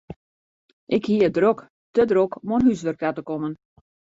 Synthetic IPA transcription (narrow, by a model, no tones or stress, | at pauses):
ʔɪkhiəədrok | tədrokomonɦysʋərkatəkomən